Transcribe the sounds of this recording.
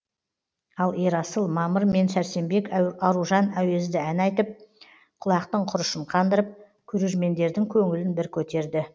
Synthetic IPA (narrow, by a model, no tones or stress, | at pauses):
ɑlˠeɾɑsəlˠmɑməɾme̞nʃæɾse̞mbe̞kʲɑɾuʒɑnæwe̞zd̪ɪænɑjt̪əp̚ | qʰʊlˠɑqt̪əɴqʰʊɾəʃəɴqʰɑnd̪əɾəp̚ | kʲʰɵɾe̞ɾme̞nd̪e̞ɾd̪ɪŋkʲʰɵŋɪlɪnbɪɾkʲʰɵt̪e̞ɾd̪ɪ